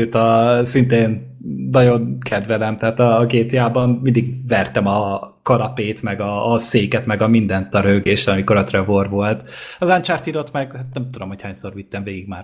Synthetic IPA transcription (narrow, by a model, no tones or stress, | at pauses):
øːt̪ɒsint̪eːnː | ɒɟo̞nkʰɛd̪vɛlɛmt̪ɛɦaːt̪ɒɡeːt̪jaːbɒnmind̪iɡvɛrt̪ɛmɒ | kɒlɒpeːt̪mɛɡɒːseːkɛt̪mɛɡɒmind̪ɛnt̪ɒɾøːɡeːʃt̪ɒmiko̞ɾɒt̪rɛvorʋo̞lt̪ɒzant͡ʃaːrt̪iɾot̪mɛɡhat̪̚nɛmt̪ud̪o̞mhochaːɲsorvit̪ːɛɱveːɡiɡmaːr